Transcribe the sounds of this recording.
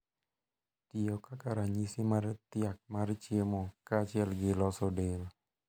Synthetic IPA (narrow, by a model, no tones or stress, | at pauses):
t̪iɔkakaɾaɲisimaɾɛt̪iak̚maɾit͡ʃiemɔkat͡ʃiɛlɡelɔsɔdel